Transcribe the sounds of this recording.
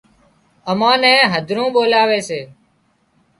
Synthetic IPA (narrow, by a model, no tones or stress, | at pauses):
əmãːnɛ̃ːɦəd̪ʱɾũːɓoːlaːʋeːseː